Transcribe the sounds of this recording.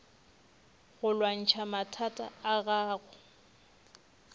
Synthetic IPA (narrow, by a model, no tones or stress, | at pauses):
ɣʊlwan̩t͡ʃʰamatʰatʼa̰ːɣaːɣʊ